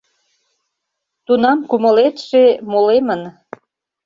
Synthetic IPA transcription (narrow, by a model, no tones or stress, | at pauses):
t̪unɑmkuməlet̪ʃemolemən